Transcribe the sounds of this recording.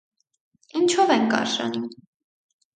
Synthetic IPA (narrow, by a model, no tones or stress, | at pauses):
int͡ʃʰɔvɛŋkɑ̰ɾʃɑ̰num